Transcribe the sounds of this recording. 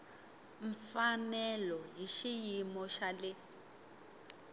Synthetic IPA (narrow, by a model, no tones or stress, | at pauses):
ɱfanɛlɔjiʃijimɔʃalɛ